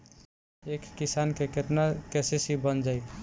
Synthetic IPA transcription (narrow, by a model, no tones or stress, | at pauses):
ekːisankeket̪nakesesibənd͡ʒaj